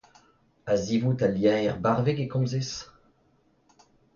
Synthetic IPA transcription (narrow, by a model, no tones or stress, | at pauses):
azivutaljɛ̃ɛʁbaʁveɡekɔ̃zes